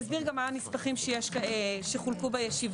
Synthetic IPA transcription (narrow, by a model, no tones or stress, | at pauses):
zbiʁɡamːaːnispaχimʃejeʃʃeχulkubejeʃiv